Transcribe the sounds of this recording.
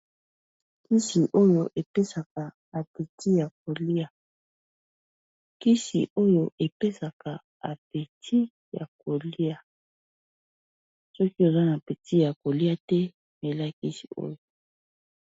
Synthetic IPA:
ki˦si˨ʔo˦jo˨ʔe˨pe˦sa˨ka˨ | a˨pe˨tʰi˦ja˨k̚o˨li˦a˨ | ki˦sḭ˨ʔo˦jo˨ʔe˨pe˦sa˨ka˨ | a˨pe˨tʰi˦ | ja̰˨ko˨li˦a˨ | sɔ˦ki˦o˨za˦na˨pe˨ti˦ja˨ko˨li˦a˦tɛ˦ | me˨la˦ki˦si̥˨o̰˦jo˨

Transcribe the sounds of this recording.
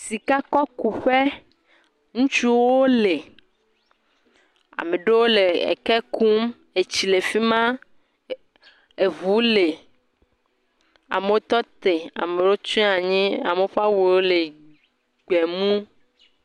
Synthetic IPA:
si˨ka˦kɔ˦ku˨ɸe˦ | ŋũ˦t͡ʃu˦wo˦le˨ | a̰˨me˨ɖe˦wo˦le˨ḛ˨kɛ˦ku˦m | e˨t͡ɕi˨le˨fi˦mã˦ | e˨vu˨˦le˨ | a̰˨me˨wo˦t̪ɔ˦t̪e˨a̰˨me˨wo˦t͡ʃɔ̃˦a˨ɲĩ˦a˨me˨o˦ɸa˦wu˨wo˦le˨ | ɡ͡bɛ˨mũ˦

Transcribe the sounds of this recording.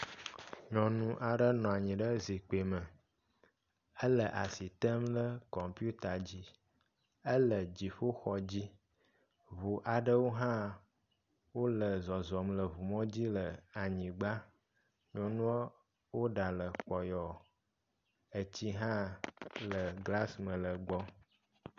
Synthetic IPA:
ɲɔ̃˨nũ˦ʔa˨ɖə˦nɔ̃˨a˨ɲĩ˨ɖə˦zi˨k͡pe˨mə˨ | ə˦lə˨ʔa˨si˨t̪ə˦mlə˦kɔ˨mpju˦t̪a˨d͡ʑi˦ | ə˦lə˨d͡ʑi˨ɸo˦xɔ˨d͡ʑi˦ | vu˨ʔa˨ɖə˦wo˦ɦã˦ | wo˦lə˨zɔ˨zɔ˨mlə˨vu˨mɔ̃˦d͡ʑi˦lə˨a˨ɲĩ˨ɡ͡ba˦ | ɲɔ̃˨nũ˦a˦ | wo˦ɖa˨lə˨k͡pɔ˨jɔ˨ | ə˨t͡ɕi˦ɦã˦lə˨ɡla˦smə̃˨lə˨ɡ͡bɔ˦

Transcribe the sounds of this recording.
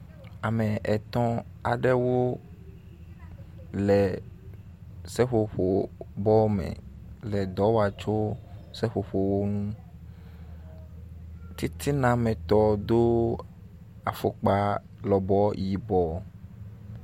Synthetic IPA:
a˨mɛ̃˨ʔɛ˨t̪ɔ̃˦a̰˨ɖɛ˦wo˦ | lɛ˨ | sɛ˦ɸo˨ɸo˨bɔ˦mɛ̰̃˨lɛ˨d̪ɔ˨˦wa˨t͡ʃo˦sɛ˦ɸo˨ɸo˨wo˦nũ˦ | t̪i˦t̪ʰi˦nã˨mɛ̃˨t̪ɔ˨d̪o˦ | a˨fo˨k͡pa˦ | lɔ˨bɔ˦ji˨bɔ˨

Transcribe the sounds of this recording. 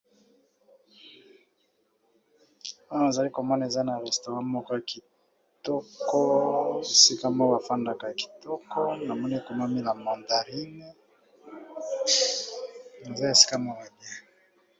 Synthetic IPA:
a˦˨na˨za˨li˦ko˨mɔ˦na˨e˨za˦na˨ʁɛ˨sto˨ʁã˦mɔ˦kɔ˦a˨ki˨ | tɔ˦kɔ˦e˨si˦ka˦mɔ˦wa˨fa˦nda˦ka˨ki̥˨tɔ˦kʰɔ˦na˨mɔ˦ne˦ko˨ma˦mi˦la˨mɔ˨nda˨ʁi˦ne˦ | na˨za˦e˨si̥˦ka˦mɔ˦la˨bi˦a˨

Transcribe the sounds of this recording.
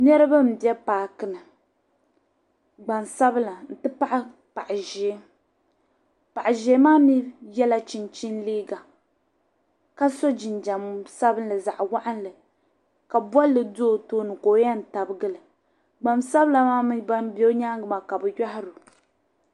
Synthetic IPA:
nɛ˦ɾɨ˦ba˦m̩˨bjɛ˦paː˨kɨ˨nɨ˨ | ɡ͡ba˨nsa˦bɨ˦la˨n̩˨tɨ˦pa˦ʔa˦ | pa˨ʔʒeː˨˦ | pa˨ʔa˨ʒe˨˦maː˦mi˦jɛ˦la˦t͡ʃi˨nt͡ʃi˦nliː˦ɡa˨ | ka˦so˦d͡ʒi˨nd͡ʒa˨m˦sa˦bɨ˦n˦lɨ˨za˨ʔwa˦ʔa˦n˦lɨ˨ | ka˨ba˦lɨ˨do˦˨toː˦nɨ˨koː˨˦ja˦n̩˨ta˨bɨ˦ɡɨ˦lɨ˨ | ɡ͡ba˨msa˦bla˨maː˦m˦ba˦nbɛ˦ɲa˦ŋ˦ɡɨ˨ma˨ka˨bɨ˨ja˦ɦɪ˦ɾʊ˨

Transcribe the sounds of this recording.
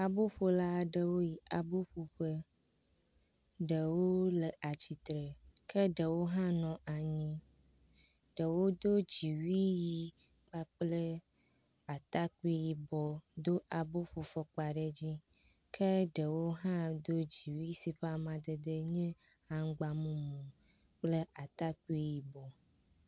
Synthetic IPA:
a˨bo˦ɸo˦la˦˨ɖə˦wo˦ji˨a˨bo˦ɸo˨ɸə˦ | ɖə˨wo˦lə˨ʔa˨t͡ɕi˨t̪ɾə˨kə˦ɖə˨wo˦ɦã˦nɔ̃˨a˨ɲĩ˦ | ɖ̥ə˨wo˦d̪o˦d͡ʑi˨wi˦ji˦ | k͡pa˦k͡plə˦ | a˨t̪a˦ku˦i˦ji˨bɔ˨d̪o˦ʔa˨bo˦ɸo˨fɔ˦k͡pa˨ɖə˦d͡ʑi˦ | kʰə˦ɖə˨wo˦ɦã˦d̪o˦d͡ʑi˨wi˦si˦ɸa˨mã˨d̪ə˨d̪ə˦ɲɛ̃˦ | ã˨ŋ˦ɡ͡ba˨mũ˦mũ˨ | k͡plə˦a˨t̪a˦ku˦i˦ji˨bɔ˨

